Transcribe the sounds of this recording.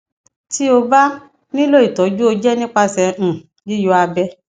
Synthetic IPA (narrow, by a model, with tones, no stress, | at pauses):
ti˦o˧ba˦ | nĩ˦lo˦i˨tɔ˨˦d͡ʒu˦o˧d͡ʒɛ˦nĩ˦k͡pa˧sɛ̃˧˨ | ji˦jo˧˦a˧bɛ˧